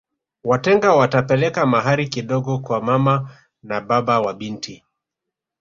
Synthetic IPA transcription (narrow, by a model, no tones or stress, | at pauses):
watɛŋɡawatapɛlɛkamaɦaɾikiɗɔɡɔkwamama | naɓaɓawaɓinti